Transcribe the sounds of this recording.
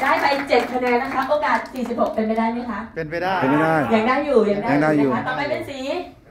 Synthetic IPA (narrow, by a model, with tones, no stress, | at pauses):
daː˥˩jpa˧jt͡ɕe˨˩t̪̚kʰa˧nɛː˧nːa˦˥kʰa˦˥ʔoː˧kaː˨˩t̪̚siː˨˩si˨˩p̚ho˨˩k̚pe˧np̬a˥jdaː˥˩jma˦˥˩kʰa˦˥ʔe˧na˥˩jaː˥˩jjaː˨˩ŋdaː˥˩jːuː˨˩jaː˨˩ŋdaː˦a˨˩aː˥˩˧a˦˥t̪ɔː˧˥˩pa˧jpe˧nsiː˨˦